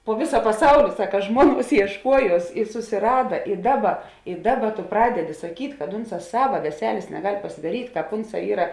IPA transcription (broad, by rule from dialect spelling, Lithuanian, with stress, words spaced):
poː ˈʋʲɪsɐ pɐˈsɐʊlʲɪ ˈsɑːkɐ ˈʒmuɔˌnuɔs iɛʃˈkuɔjuɔs ɪ sʊsʲɪˈrɑːdɐ ɪ ˈdɑːˌbɐ ɪ ˈdɑːˌbɐ tʊ ˈprɑːdʲɛˌdʲɪ sɐˈkʲiːtʲ kɐt ˈʊnˌsɑː ˈsɑːʋɐ ʋʲɛˈsʲæːlʲeːs nʲɛˈɡɐlʲ pɐsʲɪdɐˈrʲiːtʲ ˈkɑːp ˈʊnˌsɑː ˈiːrɐ